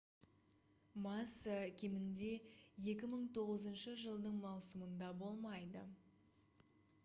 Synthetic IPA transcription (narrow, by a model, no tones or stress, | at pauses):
mɑsəkʲʰemɪnd̪e̞je̞kʲɪməɴt̪ʰo̞ʁəzənʃəʒəlˠd̪əɴmɑwsəmənd̪ɑbo̞lˠmɑjd̪ə